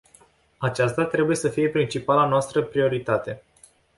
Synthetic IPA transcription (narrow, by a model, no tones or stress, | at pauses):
at͡ʃast̪at̪ɾe̞buje̞səfije̞pɾint͡ʃipalanoast̪ɾəpɾio̞ɾit̪at̪e̞